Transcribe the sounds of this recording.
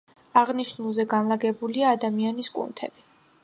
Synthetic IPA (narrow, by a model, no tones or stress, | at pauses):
aʁniʃnulˠzɛɡanlaɡɛbuliaːd̪amianiskʼṵnt̪ʰɛ̰b̥i